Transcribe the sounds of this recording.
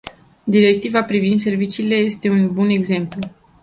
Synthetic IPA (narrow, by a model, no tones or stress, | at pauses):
d̪iɾe̞k̚t̪ivapɾivind̪s̬e̞rvit͡ʃiːle̞je̞st̪e̞unbune̞ɡze̞mplu